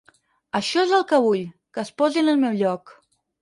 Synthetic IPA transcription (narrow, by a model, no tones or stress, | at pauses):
əʃɔezəlˠkəβuʎkəspɔzinəlˠmɛwʎɔk